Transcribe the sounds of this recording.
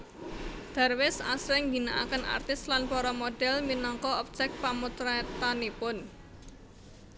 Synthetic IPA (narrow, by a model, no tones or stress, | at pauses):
d̪̥a̤rwɪsa̰sɾɛŋɡinaʔa̰kənʔa̰rt̪ɪslanpɔɾɔmoɖ̥ɛlminɔŋkɔɔp̚t͡ʃɛk̚pamut̪ɾat̪anipʊn